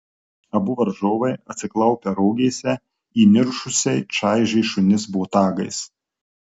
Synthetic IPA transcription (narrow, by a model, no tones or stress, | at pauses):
ɐbʊʋɐɾʒoːʋɐɪɐt̪ʲsʲɪklˠɐʊpʲɛɾɔːɡʲeːsʲɛ | iːmʲɪɾʃʊsʲɛɪt͡ʃɑˑɪʒʲɛɪʃʊnʲɪsbʊɔt̪ɑːɡɐɪs